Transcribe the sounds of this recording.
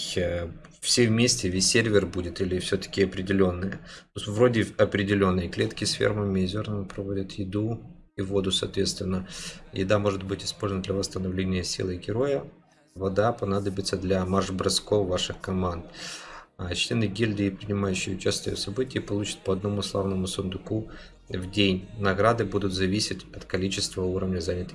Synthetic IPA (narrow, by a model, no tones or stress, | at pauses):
fsʲevmʲesʲtʲɪvʲesʲːerʲvʲɪrbudʲɪt̪ilʲɪfsʲɵt̪ə̥kʲɪɐpɾʲɪdʲɪlʲo̞nːɨjəvɾodʲɪɐpɾʲɪdʲɪlʲo̞nːɨjəklʲe̞t̪kʲɪsfʲḛrməmʲɪzʲo̞rnəmpɾɐvo̞dʲət̪jɪd̪u | ivo̞d̪ʊsɐ̰ːt̪vʲe̞t̪st̪vʲɪnːəjɪ̰d̪amo̞ʐɨt̪̚bɨtʲɪ̥spolʲzənəd̪lʲɐvəst̪ənɐvlʲenʲɪjəsʲḭlˠəɡʲɪɾo̞jə | vɐd̪apɐnad̪əbʲɪt̪səd̪lʲɐmarʐbɾɐsko̞fːaʂɨxkɐmand̪ | t͡ɕlʲenɨɡʲilʲd̪əɪpɾʲɪnʲɪmajʉɕːɪjʊt͡ɕæsʲt̪ʲəjə̰sɐbɨtʲɪjɪpɐlˠut͡ɕɪ̥t̪̚pəɐd̪̚nəmuslˠavnəmʊsʊnd̪ʊku | vdʲenʲnɐɡɾad̪ɨbud̪ʊt̪zɐvʲisʲɪtʲɐt̪kɐlʲit͡ɕɪst̪vəuɾəvnʲəzanʲɪt̪ɨ